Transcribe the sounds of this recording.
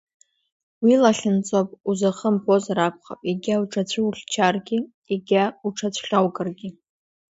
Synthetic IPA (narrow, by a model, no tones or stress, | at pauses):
wilaɬʲɪnt͡sʼopʼuzaχəmpʰo̞zaɾak̚ʷʰχa̰pʼiɡʲauʈ͡ʂʰat͡ɕʷʰɨuɬʲt͡ʃʰarɡʲɪ | iɡʲauʈ͡ʂʰat͡ɕʷʰχʲawkʼɨrɡʲɪ